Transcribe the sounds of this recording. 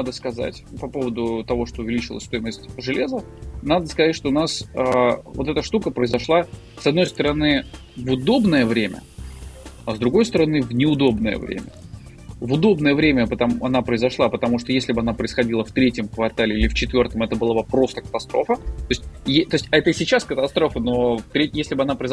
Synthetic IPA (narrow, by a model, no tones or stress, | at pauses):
nad̪əskɐza̰tʲpɐpo̞vəd̪ʊt̪ɐvo̞ʂt̪oʊvʲɪlʲit͡ɕɪlˠə̰sʲst̪o̞jɪməsʲtʲʐɨlʲe̞zə | nad̪əskɐzatʲʂt̪o̞ʊnasəvot̪ɛt̪əʂt̪ukəpɾəɪzɐʂlˠa | sɐd̪no̞jst̪əɾɐnɨ | vʊd̪o̞bnəjəvɾʲemʲə̰ | ɐzd̪ɾʊɡo̞jst̪əɾɐnɨvnʲɪʊd̪o̞bnəjə̰vɾʲʔḛmʲə̰ | vʊd̪o̞bnəjəvɾʲemʲəpət̪ɐɐnapɾəɪzɐʂlˠapət̪ɐmuʂt̪o̞jesʲlʲɪbɨɐn̪apɾəɪsxɐdʲilˠəft̪ɾʲetʲɪmkvɐrt̪alʲɪilʲɪft͡ɕɪt̪vʲo̞rt̪əmɛt̪əbɨlˠabɐpɾo̞st̪ə̥kə̥t̪ɐst̪ɾo̞fət̪oɪsʲtʲjet̪o̞ɪsʲtʲɛt̪əsʲɪt͡ɕaskət̪ɐst̪ɾo̞fəno̞ft̪ɾʲejesʲlʲɪbɨɐnapɾəɪz